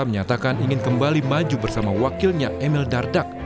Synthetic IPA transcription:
məɲat̪akaniŋɪnkəmbalimad͡ʒubərsamawakɪlɲaʔɛmɪldardak̚

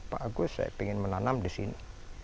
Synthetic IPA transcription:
pa̰ʔaɡusa̰jpeŋɪnmənanamd̪isḭni

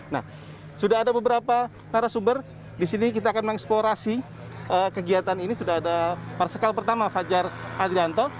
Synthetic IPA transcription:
na̰h | sudaɦadabəbəɾapa | kaɾasumbər | disinik̬it̪aːkanməɛksploɾasi | əːkəɡiat̪aninisudaɦadapaɾasəkalpərt̪amafad͡ʒarad̪ɾiant̪ɔ

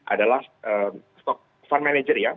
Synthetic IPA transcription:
ʔa̰dalahʔəmst̪ɔk̚ | fanmɛned͡ʒərja

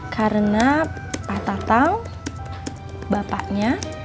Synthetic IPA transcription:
kʰaɾəna | pat̪at̪aŋ | bapa̰ʔɲa

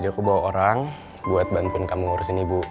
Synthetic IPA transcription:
d͡ʒakubawaoɾaŋ | buat̪̚bant̪ʊnkamuŋuɾʊsinibu

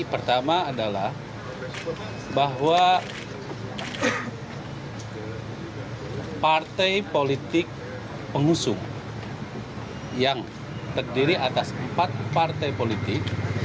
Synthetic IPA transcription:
pərt̪amaːdalah | baɦwa | part̪ɛjpolit̪ɪk̚ | pəŋusʊŋ | jaŋ | t̪ərdiɾiʔat̪asəmpat̪̚part̪ɛjpolit̪ɪk̚

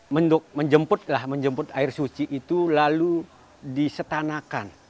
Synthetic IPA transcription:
mənd̪ʊk̚məɲd͡ʒəmpʊt̪̚lahməɲd͡ʒəmpʊt̪aɪrsut͡ʃiʔːt̪ulalu | disət̪anakan

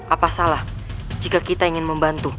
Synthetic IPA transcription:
ʔapasalah | d͡ʒikakit̪aiŋɪnməmbant̪u

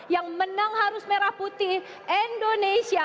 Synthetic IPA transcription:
jaŋmənaŋhaɾʊsmeɾahput̪i | ɛndonesia

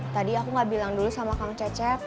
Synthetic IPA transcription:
t̪adiakuŋɡabilaŋdulusamakaŋt͡ʃat͡ʃɛk̚

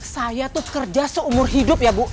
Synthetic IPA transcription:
sajat̪ukərd͡ʒasəumʊrɦidʊp̚jabu

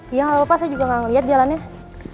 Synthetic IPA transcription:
jaŋaapasad͡ʒuɡaŋaŋliat̪̚dialanɲa

